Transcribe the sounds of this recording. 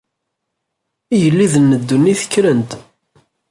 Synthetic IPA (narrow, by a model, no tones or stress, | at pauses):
ijəlːiðənːəd̪ːunːiθə̥kːɾənt̪